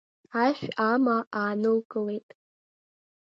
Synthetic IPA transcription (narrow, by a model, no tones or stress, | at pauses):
aʃᶣamaʔaːnɨlɡʼɨle̞jtʼ